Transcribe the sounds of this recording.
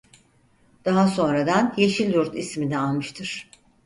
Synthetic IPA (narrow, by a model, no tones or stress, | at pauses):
d̪̥aɦaso̞nɾad̪anjeʃilʲjuɾt̪ʰisminɛalˠmɯʃt̪ʰɯɾ̥